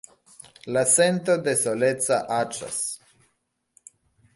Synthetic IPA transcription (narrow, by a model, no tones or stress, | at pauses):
lase̞nt̪o̞d̪e̞solet͡saʔat͡ʃa̰s